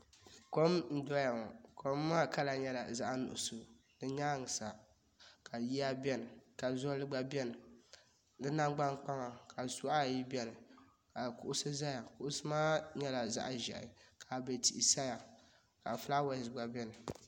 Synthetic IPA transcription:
ko˦mn̩˦dɔ˦ja˨ŋɔ˨kʰo˦mː˦aː˦˨ka˦la˨ɲɛ˦la˨za˦ʔa˦nʊ̰˨ʔʊ˨so˨ | nɨ˦ɲa˦˨ŋɨ˨sa˨ | kʰa˨ji˦a˦bɛ˦nɨ˨ka˨zɔ˦lɨ˦ɡ͡ba˦bɛ˦nɨ˨ | nɨ˦na˦ŋɡ͡ba˦ŋk͡pa˦ŋa˨kʰa˨su˦a˦˨ji˦bɛ˦nɨ˨ | ka˨kʊ˦ʔʊ˦sɨ˦za˦ja˨kʊ˦ʔʊ˦sɨ˦maː˦ɲɛ˦la˨za̰˦ʔʒɛ̰˨ʔɪ̰˨kʰa˨be˨ti˨ʔi˨sa˦ja˨ | ka˨fla˦wɛ˨zɡ͡ba˨bɛ˦nɨ˨

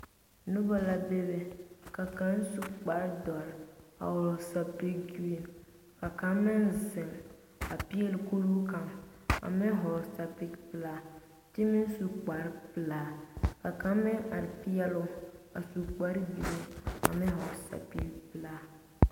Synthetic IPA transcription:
nʊ˦ba˦la˦be˦bɛ˦ka˨ka˦n˦su˨˦k͡pa˨ɾdɔ˨ɾa̰˨hɔ˨sa˨pi˦kɡu˦e˨n | ka˨ka˦mɪ˦nzɪ˨m | a˨pi˦ɛ˦lɪ˨ko˦ɾu˦ka˨ma̰˨mɪ˦ɦɔ˨ɾsa˨pi˦kpɨ˨laː˦ | tɪ˦mɪ˦n˦su˨k͡pa˨ɾɪ˦pɨ˨laː˦ka˨ka˦mɪ˦ŋa˨ɾɪ˨pi˦jɛ˦lʊ˦a˨su˨k͡pa˦ɾbi˨i˦a̰˨mɪ˦ɦɔ˨ɾsa̰˨pi˦kpɨ˨laː˦

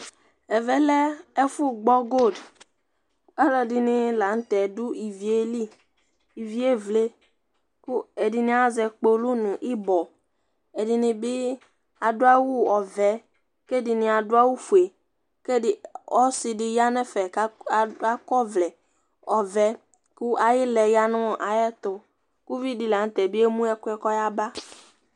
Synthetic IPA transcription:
ɛ˨vɛ˨lɛ˦ɛ˦fu˦ɡ͡bɔ˦ɡo˦˨d | a˦lɛ˨dɪ˨nɪ̃˨la˨ŋ̩˦t̪ɛ˨du˦i˨vi˨e˦li˦ | i˨vi˦e˦vle˦ | ku˦e˨di˨nĩ˨a˨zɛ˨k͡po˨lu˦nũ˨ʔi˦bɔ˨ | e˨dɪ˨nɪ̃˨bɪ˦ | a˨dʊ˦a˦wu˦ɔ˨vɛ˨˦ | ke˦dɪ˨nɪ̃˨a˨dʊ˦a˦wu˦fu˨e˨ | ke˦ɪ˨ɔ˦sɪ˨dɪ˨ja˦nɛ˦fɛ˨˦˨a˦kɔ˦vlɛ˨ | ɔ˨vɛ˦ | ku˦ʔa˨jɪ˦lɛ˨ja˦nʊ̃˦ɔ˨ʔa˨jɛ˦t̪ʊ˨ | ku˦vi˦di˦la˨n˦t̪ɛ˨bɪ˦e˦mũ˦ɛ˦kʊ˦ɛ˦kɔ˦ja˦ba˦

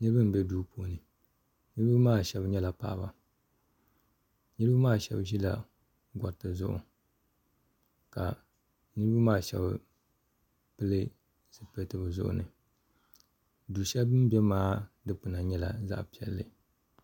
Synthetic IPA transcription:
nɨ˦bɨ˦m˨bɛ˦duː˦pʰo˦nɨ˨ | nɨ˦ɾɨ˦bɨ˦maː˦˨ʃɛ˨bɲɛ˦la˨pa̰ː˦˨ba˨ | nɨ˦ɾɨ˦bɨ˦maː˦ʃɛ̰˦bʒi˦la̰˨ | ɡʷɔ˨ɾtɨ˨zʊ̰˦ʔʊ̰˨ | ka̰˨ | nɨ˦ɾɨ˦bɨ˦maː˦˨ʃɛ̰˦b | pɨ˦lɨ˦ | sɨ˨pe˦tɨ˦bɨ˨zʊ̰˦ʔʊ̰˨nɨ˨ | duː˨ʃɛ˦bɨ˦m˦bɛ˦maː˦dɨ˦pɨ˨na˨ɲɛ˦la˨za̰˦ʔpi˨ɛ˨lːɨ˦

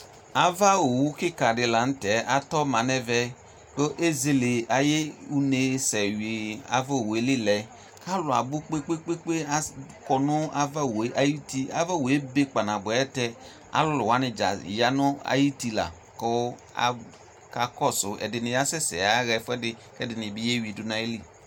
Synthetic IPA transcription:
a˨va˦o˨wu˦ki˦ka˨dɪ˧la˨n̩˦tɛ˨˦a˦tɔ˦ma˨nɛ˦vɛ˧ | ko˦ʔe˦ze˨le˨a˨je˦u˦ne˨sɛ˨wi˨a̰˦va˦o˨we˨˦li˦lɛ˨ | ka˦lʊ˨a˨bʊ˦k͡pe˦k͡pe˦k͡pe˦k͡pe˦a˦kɔ˨nʊ˦a˦va˦˨wʔa˨ji˦ti˦a˦va˦˨we˦be˦k͡pa˨na˨bɛ˦tɛ˦ | a̰˦lʊ˦lʊ˨wa˨˦nɪ˦˨d͡ʒa̰˨ja˨nʊ˦a̰˨ji˦ti˦la̰˨ | ko˦a̰˨ | ka˨kɔ˦sʊ˨ɛ̰˨dɪ˨nɪ˨ja˦sɛ˦sɛ̰˨a˨˦ɣɛ˨fɛ˦dɪ˦ | kɛ˦dɪ˨nɪ˨bi˦je˦wi˨du˨˦na˨e˦li˦˨

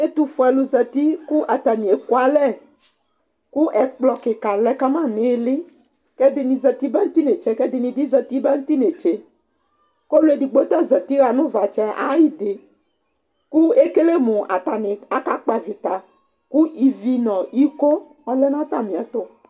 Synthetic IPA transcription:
e˦t̪u˨fʊ˨ɛ˨lʊ˨zɛ˨t̪i˦ku˦ʔa˨t̪a˨nĩ˨e˨ko˦a˦lɛ˦˨ | ku˦ʔɛ˨k͡plɔ˨kɪ˨ka˨lɛ˦ka˦mã˦nɪ˦lɪ˦ | kɛ˦dɪ˨nĩ˨zɛ˨t̪i˦bɛ˦ŋ̩˦t̪i˦ne˨t͡ʃɛ˦kɛ˦dɪ˨nĩ˨bi˦zɛ˨t̪i˦bɛ˦ŋ̩˦t̪i˦ne˨t͡ʃe˦ | ko˦lʊ˦e˨di˨ɡ͡bo˦t̪a˦zɛ˨t̪i˦ɣa˨nʊ̃˦va˨t͡ʃɛ˦ʔa̰˨˦ji˦d̪ɪ˨ | ku˦e˦ke˦le˦mʊ̃˨ʔa̰˨t̪a˨nɪ̃˨a˦ka˦k͡pa˨vi˨t̪a˨ | ku˦i˨vi˦nɔ̃˨i˦ko˦ | ɔ˦lɛ˦nã˦t̪a˨mĩ˨a˨t̪ʊ˦

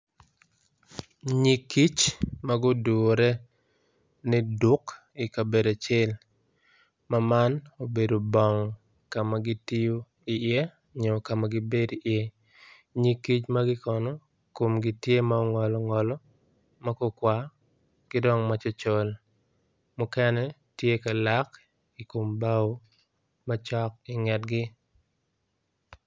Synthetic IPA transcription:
ɲi˨ki˦t͡ʃma˦ɡʊ˦du˨ɾɛ˦ | nɪ˦dʊ˦k | i˨ka˨be˨da˨t͡ʃe˦l | mama˦no˨be˨do˨bɔ˨ŋ | ka˨ma˨ɡɪ˦ti˦jo˦ | i˨ɪe˦ | ɲɔ˨ka˨ma˨ɡɪ˦be˦di˨ʔjɛ˦ | ɲi˦ki˦t͡ʃmaɡɪ˦kɔ˨nɔ˨ | ko˨mɡɪ˦tje˦ma˦ɔ˦ŋɔ˨lɔ˨ŋɔ˨lɔ˦ | ma˦kɔ˦kwa˦ | ɡ̥ɪ˦dɔ˦ŋmat͡ʃɔ˦t͡ʃo˨l | mʊkɛ˦nɛ˦tje˦ka˨la˦k | i˨ko˨mba˦w | mat͡ʃɔ˦k̚ɪ˨ŋɛ˨tɡɪ˦

